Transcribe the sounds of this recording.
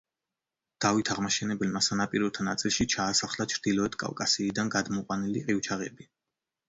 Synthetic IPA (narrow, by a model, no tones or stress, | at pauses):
d̪̥avit̪ʰaʁmaʃɛnɛbɛlmasanapʼiɾɔt̪ʰanat̪sʼilˠʃit͡ʃʰaːsaχlat͡ʃʰɾd̪̥ilˠɔɛt̪ʰkʼa̰vkʼasiːd̪anɡad̪mɔqʼwanilḭqʼiwt͡ʃʰaʁɛbi